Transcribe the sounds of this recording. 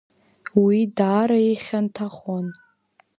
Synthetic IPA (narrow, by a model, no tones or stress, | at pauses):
widaːɾaeχʲantʰaχon